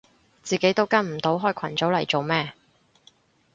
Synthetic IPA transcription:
t͡siː˨ke˨˥jt̪o˥wkɐ˥nm̩˨˩t̪o˨˥wɦɔː˥jkʰɐ˨˩nt͡so˨˥wlɐ˨˩jt͡so˨wmɛː˥˧

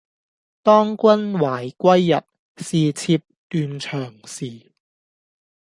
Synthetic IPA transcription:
t̪ɔː˥ŋkʷɐ˥nwaː˨˩jkʷɐ˥jːɐ˨t̚ | siː˨t͡sʰiː˧p̚t̪yː˧nt͡ʃʰœː˨˩ŋsiː˨˩

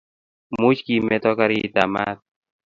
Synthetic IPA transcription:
mu˦t͡ʃki˨mɛ˦t̪ɔ˦ka˦ɾi˦t̪a˨ma̰˦t̪̚

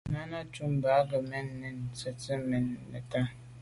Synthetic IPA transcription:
nã˦nã˦t͡ʃũ˦mbaː˨˦ɡə˨mɪ̃˦nː˦ɪ̃˨n˨t͡sɛ˨tɪ˦mɪ̃˨nː˨ɪ̰˨ta˦

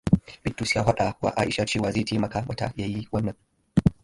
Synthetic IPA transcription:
b̥ɪ˦tːu˨sjaː˦ɦa˦ɗa˨kwa̰˦ʔaː˦ʔɪ˨ʃa˦t͡ʃeː˦waː˨zeː˦˨teː˦mɐ˨kaː˦wa̰˦ta̰˨jaː˦ji˦wɐ˦nːɐ˨ŋ

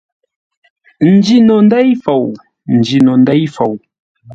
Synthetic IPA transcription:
n̩˨d͡ʒi˦nɔ˨n˦dɛ˦jfo˨w | n̩˨d͡ʒi˨nɔ˨ndɛ˦jfo˨w

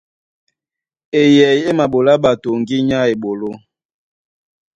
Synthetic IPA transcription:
e˨jɛ˨je˦ma˨ɓo˨la˦ɓa˨to˨ŋ˨ɡi˦ɲa˦e˨ɓo˨lo˦

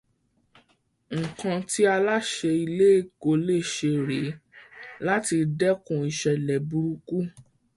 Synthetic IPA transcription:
ŋ̩˨kã˧ti˦a˧la˦ʃe˧i˧le˦˨ko˨le˦˨ʃe˧ɾe˨˦ | la˦ti˧dɛ˦kũ˨i˧ʃɛ˨lɛ˨bu˧ɾu˧ku˦

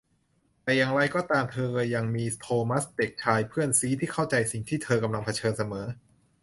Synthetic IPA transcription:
t̪ɛ˨˩ja˨˩ŋɾa˧jkɔː˥˩t̪aː˧mt̪ʰɤː˧ja˨˩ŋmiː˧t̪ʰoː˧ma˦˥st̪e˨˩k̚t͡ɕʰaː˧jpʰɯ˥˩ənsiː˦˥t̪ʰiː˥˩kʰa˥˩wt͡ɕa˧jsi˨˩ŋt̪ʰiː˥˩t̪ʰɤː˧ka˧mla˧ŋpʰa˧t͡ɕʰɤː˧nsa˧mɤː˩˦

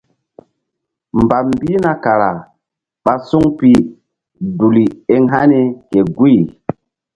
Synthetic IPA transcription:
mba˨mbiː˦na˨ka˨ɾa˨ | ɓa˦su˦ŋpi˨ | du˨li˨e˦ŋɦa˦ne˨ke˨ɡu˦˨

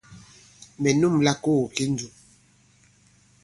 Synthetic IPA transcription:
mɛ˨nu˦mla˦ko˦˨ke˦n˦d͡ʒu˨

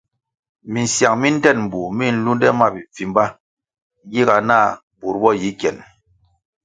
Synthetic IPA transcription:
mi˨n̩˨sja˨ŋmi˦n̩˦tɛ˦˨nm̩˨bu˨mi˦˨n̩˦lu˦n˦dɛ˦ma˦˨bi˨fi˨m˦ba˦ | ɡi˦ɡa˨na˦˨ | bu˨ɾbɔ˦˨ji˨˦kjɛ˨n

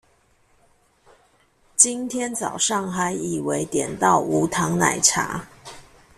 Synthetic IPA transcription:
t͡ɕi˥nt̪ʰjɛ˥nt͡sɑ˨˩ʊʂɑ˥˩ŋxa˧˥ɪi˨˩we˧˥ɪt̪jɛ˨˩nt̪ɑ˥˩ʊu˧˥t̪ʰɑ˧˥ŋna̰˨˩ɪʈ͡ʂʰa̰˧˥

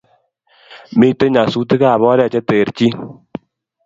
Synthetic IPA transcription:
mi˦˨te˦ɲa˨su˦te˦ka˦a˨bɔ˦ɾɛ˦˨t͡ʃe˦te˨ɾt͡ʃi˦

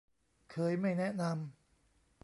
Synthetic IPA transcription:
kʰɤː˧jma˥˩jnɛ˦˥ʔna˧m

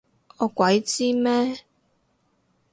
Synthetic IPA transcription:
ɔː˨˧kwɐ˨˥jt͡siː˥mɛː˦˥

